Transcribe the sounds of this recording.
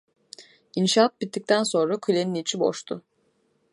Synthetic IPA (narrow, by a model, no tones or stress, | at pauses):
inʃaat̪̚bit̪ːic̚t̪ʰænso̞nɾakʰylʲeninit͡ʃʰibo̰ʃt̪ʰʊ